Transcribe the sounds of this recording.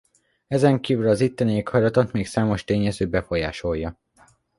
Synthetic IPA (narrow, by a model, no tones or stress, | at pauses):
ɛzɛŋkiːvylɒzit̪ːɛneːkʰhɒjlɒt̪ot̪meːksaːmo̞ʃt̪eːɲɛzøːbɛfo̞jaːʃo̞jjːɒ